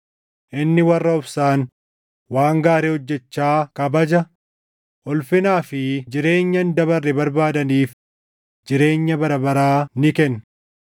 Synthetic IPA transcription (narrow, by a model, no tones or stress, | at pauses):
ʔɪnːɪwɐrːɐʊbsaːn | waːŋɡaːɾeːhɔd͡ʒːɛt͡ʃːaːkɐbɐd͡ʒɐ | ʔɔlfɪnaːfɪd͡ʒɪɾe̞ːɲːɐnd̪ɐβɐrːɪbɐɾbaːd̪ɐniːf | d͡ʒɪɾe̞ːɲːɐbɐɾɐbɐɾaːnɪkɛn